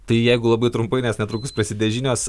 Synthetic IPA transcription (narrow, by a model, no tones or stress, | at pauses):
t̪ɐɪjɛɪɡʊlˠɐbɐɪt̪ɾʊmpɐɪnʲɛsnʲɛt̪ɾuːkʊspɾɐsʲɪd̪ʲɛʒʲinʲoːs